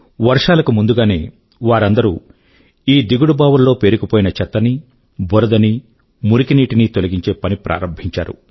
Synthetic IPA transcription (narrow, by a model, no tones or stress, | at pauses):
ʋɐɾʂaːlɐkumund̪uɡaːne̞ː | ʋaːɾɐnd̪ɐɾu | iːd̪iɡuɽubaːʋɐlːo̞ːpe̞ːɾukipoːjinɐt͡ʃɛt̪ːɐni | bʱɔɾɐd̪ɐni | muɾikiniːʈinit̪olɐɡiɲt͡ʃe̞ːpɐnipɾʔa̰ːɾɐmbʱiɲt͡ʃa̰ːɾṵ